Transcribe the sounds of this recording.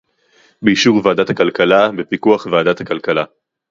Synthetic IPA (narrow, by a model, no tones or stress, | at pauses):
beiʃuʁvaːdat̪hakalkalabepikuaχvaːdathakalkala